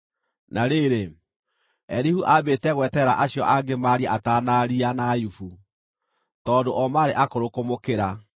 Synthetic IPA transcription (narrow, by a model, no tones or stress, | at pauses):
naɾeɾe | ɛ̰ɾihuʔabeːtɛɣwɛtɛɾa̰ʔaɕjɔʔaɡemaɾiɛataːnaɾianajufu | tɔːdoʔɔmaːɾeʔakoɾokomokeɾa